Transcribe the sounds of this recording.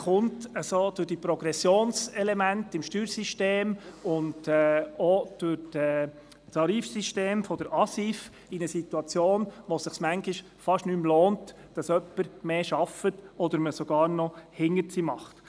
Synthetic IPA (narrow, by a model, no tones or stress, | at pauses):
χʊntəsoːd̥ʊɾd̥ipɾɔɡ̥ɾɛsjoːnsɛlɛmæntɪmʃtyːɾsiʃteːmʊndɛod̥ʊɾdɛ | tʰɑɾiːfsiʃteːmfɔd̥̪əɾɑsif | inəsitːuɑt͡sjoːnʋosɪχsmæŋkɪʃ | fɑʃnymloːnt | d̥ɑsœpːəɾmeːʃɑfətɔd̪əɾməsɔɡ̥ɑːɾnɔhɪŋəɾt͡simɑχt